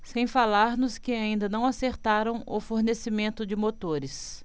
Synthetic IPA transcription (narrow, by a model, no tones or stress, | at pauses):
sẽj̃falaɾnʊskɪaĩnd̪ɐnɐ̃w̃aseɾt̪aɾɐ̃w̃ʊfoɾnesɪmẽnt̪ʊd͡ʒɪmot̪oɾɪs